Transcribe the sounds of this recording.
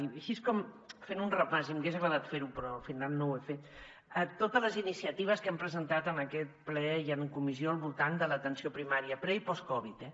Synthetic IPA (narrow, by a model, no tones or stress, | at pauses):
iəʃiskɔm | fenunrəpazimɡezəɣɾəðat̪feɾupɾɔfinannːowefet̪ | ət̪ːot̪ələzinisiət̪iβ̞əskɛmpɾəzənt̪at̪ənəkɛt̪̚plɛiənkumizioəlˠβulˠt̪and̪ələt̪ənsiopɾimaɾiəpɾɛipɔskɔβit̪ɛ